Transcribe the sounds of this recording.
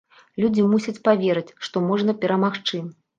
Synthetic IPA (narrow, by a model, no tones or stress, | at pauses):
lʲud͡zʲimusʲɐt͡sʲpavʲeɾɨt͡sʲʂt̪ɔmɔʐnɐpʲɛɾɐmaxt͡ʂɨ